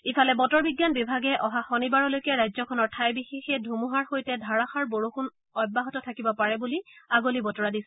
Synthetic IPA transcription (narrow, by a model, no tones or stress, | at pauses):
ipʰalɛbɔtɔɹbiɡjanbibʱaɡɛʔɔɦaxɔnibaɹɔlojkɛɹajzɔkʰɔnɔɹtʰajbixexɛdʱumuɦaɹxojtɛdʱaɹaxaɹboɹoxun | ɔjbːaɦɔtɔtʰakibɔpaɹɛbuliaɡolibɔtɔɹadisɛ